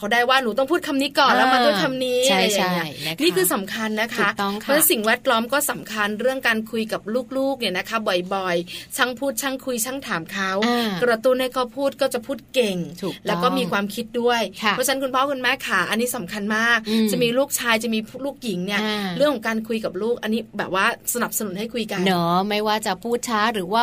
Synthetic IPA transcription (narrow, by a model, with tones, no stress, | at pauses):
kʰa˦˥wdaː˥˩jwaː˥˩nuː˨˦t̪ɔ˥˩ŋpʰuː˥˩t̪̚kʰa˧mniː˦˥kɔː˨˩nla˦˥ma˧t̪ɔ˥ŋkʰa˧mniː˦˥a˧ɾa˧jːa˨˩ni˦˥ɐniː˥˩kʰɯː˧sa˩˦mkʰa˧nːa˦˥kʰa˦˥ɔ˦˥si˨˩ŋwɛː˦˥t̪̚lɔː˦˥mkɔː˥˩sa˨˩˦mkʰa˧nɾɯ˥˩əŋkaː˧nkʰu˧jka˨˩p̚luː˥˩k̚luː˥˩k̚ni˥˩ɐna˦˥kʰa˦˥bɔ˨˩jbɔ˨˩jt͡ɕʰa˦˥˩ŋpʰuː˥˩t̪̚t͡ɕʰa˦˥˩ŋkʰu˧jt͡ɕʰa˥˩ŋt̪ʰaː˩˦mkʰa˦˥wkɾa˧t̪u˥˩nha˥˩jkʰa˦˥wpʰuː˥˩t̪̚kɔː˥˩t͡ɕa˨˩pʰuː˥˩t̪̚ke˨˩ŋt̪ʰu˨˩lɛː˦wkɔː˥˩miː˧kʰwaː˧mkʰi˦˥t̪̚du˥˩əjʰɔ˦˥t͡ɕʰa˦˥nkʰu˧npʰɔː˦˥kʰu˧nmɛː˦˥kʰa˧˩ʔa˧nːiː˦˥sa˩˦mkʰa˧nmaː˥˩k̚t͡ɕa˨˩miː˧luː˥˩k̚t͡ɕʰaː˧jt͡ɕa˨˩miː˧pʰːluː˥˩k̚ji˩˦ŋni˥˩ɐɾɯ˥˩əŋkʰɔ˨˩˦ŋkaː˧nkʰu˧jka˨˩p̚luː˥˩k̚ʔa˧nːiː˦˥bɛː˨˩p̚waː˥˩sa˧na˨˩p̚sa˧nu˨˩˦nha˥˩jkʰu˧jka˧nɔː˦ma˥˩jwaː˥˩t͡ɕa˨˩pʰuː˥˩t̪̚t͡ɕʰaː˦˥ɾɯː˩˦waː˥˩